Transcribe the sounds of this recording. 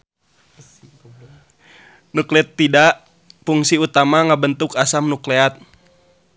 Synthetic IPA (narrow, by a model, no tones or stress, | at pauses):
nuklɛt̪ːidaʔ | fuŋsiut̪amaŋabənt̪ukasamnuklɛat̪̚